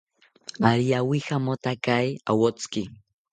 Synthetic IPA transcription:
aɾiawixamot̪akaja̰wot͡ski

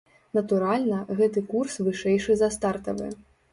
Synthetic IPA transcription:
nɐt̪uɾalʲnɐɣɛt̪ɨkursvɨʂɛjʂɨzɐst̪art̪ɐvɨ̰

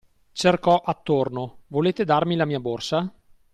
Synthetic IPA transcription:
t͡ʃerkɔʔat̪ːornovoleːt̪ed̪armilamiːaborsa

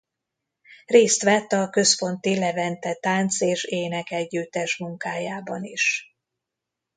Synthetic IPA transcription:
reːst̪ʋɛt̪ːɒkø̞sfo̞nt̪ilɛvɛnt̪ɛt̪aːnt̪seːʃeːnɛkɛɟːyt̪ːɛʃmuŋkaːjaːbɒniʃ

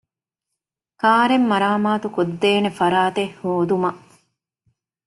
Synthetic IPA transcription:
kaːɾemːɐɾaːmaːt̪ukod̪ːeːnefɐɾaːt̪ehhːoːd̪umɐ

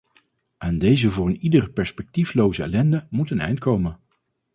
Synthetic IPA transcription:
ʔaːndejzəvʊːrənidərəpɛɹspɛk̚tiflowzəɛ̰lɛndəmutənɛ̰jnt̚kowmən

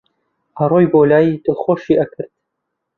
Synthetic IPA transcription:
hɐroːjboːlaːjid̪ɨxoʃiːʔɐkʰɨɾt̪̚

